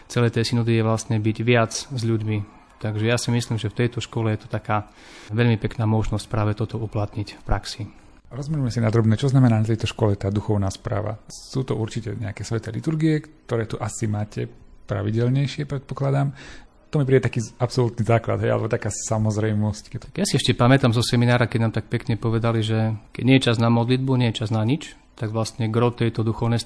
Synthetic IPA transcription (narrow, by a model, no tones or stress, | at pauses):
t͡sɛlɛt̪ɛːsinɔd̪ijɛʋlast̪ɲɛbiɟʋɪad͡zzʎuɟmi | t̪aɡʒɛjasimisliːmʒɛft̪ɛjt̪ɔʃkɔlɛjɛt̪ɔ̥t̪akaː | ʋɛʎmipɛknaːmɔʒnɔsc̚pɾaːʋɛt̪ɔt̪ɔuplat̪ɲicfpɾaksi | ɾɔzmilumɛsinad̪ɾɔbnɛːt͡ʃɔznamɛnaːnat̪ɛjt̪ɔʃkɔlɛt̪aːd̪uxɔʊnaːspɾa̰ːʋa̰suːt̪ɔʔuɾt͡ʃicɛɲɛ̰akɛːsʋɛt̪ɛlit̪uɾɡiɛkt̪ɔɾɛːt̪uʔasimaːcɛpɾa̰ʋiɟɛlɲɛjʃɪɛpɾɛt̪̚pɔklad̪aːm | t̪ɔmip̬ɾiːɛt̪akiːapsɔlut̪nizaːklad̪ɦɛja̰lɛ̰bɔt̪akaːsamɔzɾɛjmɔsckɛt̪ːjasiɛʃcɛpamɛt̪amzɔsɛminaːɾakɛɟnaːmt̪ak̚pɛkɲɛpɔʋɛd̪aliʒɛkɛ̰ɟɲɛjɛt͡ʃaznamɔd̪lid̪̚buɲɛjɛt͡ʃaznaɲit͡ʃ | t̪aɡʋlast̪ɲɛɡɾɔt̪ɛjt̪ɔd̪uxɔʊnɛjs